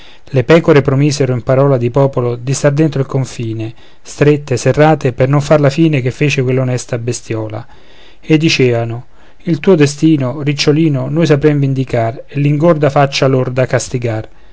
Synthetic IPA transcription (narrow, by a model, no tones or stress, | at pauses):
lepɛːkoɾepɾomiːzeɾoimpaɾɔːlad̪ipɔːpolod̪ist̪ard̪ent̪ɾoilkoɱfiːne | st̪ɾet̪ːeserːaːt̪epernoɱfarlafiːnekefːeːt͡ʃɪkwelːaonɛst̪abest̪jɔːla̰ | ed̪ːit͡ʃɛːvano | ilt̪uːod̪est̪iːnorit͡ʃːoliːnonojs̬apɾemvind̪ikarelːiŋɡord̪afat͡ʃːalord̪akast̪iɡar